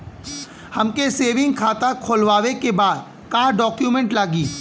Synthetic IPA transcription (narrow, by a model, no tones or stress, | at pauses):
hɐmkeseːʋɪ̃ŋɡ̚kʰaːt̪akʰoːlʋaːʋekebaːd̪ | kaːɖɔːkjumɛ̃ɳʈlaːɡiː